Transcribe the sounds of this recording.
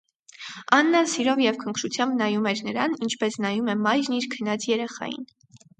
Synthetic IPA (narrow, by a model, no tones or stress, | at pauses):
ɑnːɑsiɾɔvjɛvkʰəŋkʰɾut͡sʰjɑmbnɑjumɛɾnəɾɑnint͡ʃʰpɛsnɑjumɛmɑjɾniɾkʰənɑt͡sʰjɛɾɛχɑ̰jḭn